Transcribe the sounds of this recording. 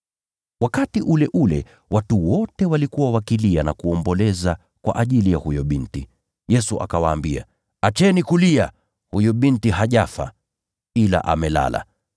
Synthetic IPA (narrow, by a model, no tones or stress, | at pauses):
wakatiʔulɛʔulɛ̰ | watuwɔtɛwalikuwawakilianakuɔmbɔlɛza | kwa̰ʔaʄilijahujɔɓinti | jɛsuʔa̰kawaːmbia̰ | at͡ʃɛnikulia | hujɔɓintiɦaʄafa̰ | ila̰ʔa̰mɛla̰la̰